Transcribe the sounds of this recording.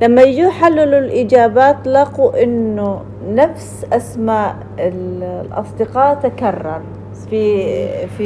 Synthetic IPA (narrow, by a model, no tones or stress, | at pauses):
lamːajɪd͡ʒiħalːɪlʊlʔɪd͡ʒaːbaːt̪lɑːquʔɪnːʊ | nafsʔasmaːʔ | ɪllʔɑ̰sˤd̪ɪqɑːt̪akarˤːɑ̰ɾˤ | fifi